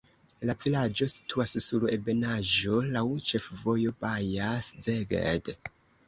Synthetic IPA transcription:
lavilad͡ʒo̞si̥tʰuassule̞be̞naʒo̞lawt͡ʃe̞fvo̞jo̞bajaszeɡḛd

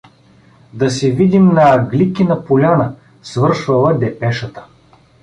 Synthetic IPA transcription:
d̪ɐsɛvid̪imnɐːɡlʲikʲinɐpʊlʲanə | svɤɾʃvɐlˠɐd̪ɛpɛʃət̪ə̥

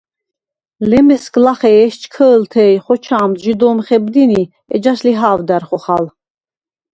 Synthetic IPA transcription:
lɛmɛsklaχɛːʃt͡ʃʰkʰəːlt̪ʰɛːjχɔt͡ʃʰaːmʒid̪ɔːmχɛbd̪ini | ɛ̰d͡ʒaʃliɦaːvd̪æɾχɔχal

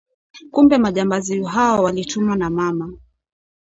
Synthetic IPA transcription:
kumbɛmaʄambaziuɦaɔwalitumwanamama

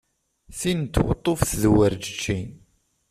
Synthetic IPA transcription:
θint̪ːwə̰t̪ˤːofθðwəɾd͡ʒət͡ʃːin

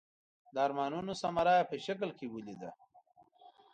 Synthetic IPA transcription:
d̪ːɾmɑːnunosamaɾɑjapəʃak̬lkewulid̪a

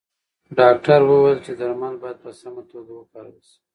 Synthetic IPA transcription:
ɖɑk̚ʈaɾwəwajlt͡ʃed̪aɾmalbɑjad̪̚pəsamat̪oɡawəkaɾawisi̥

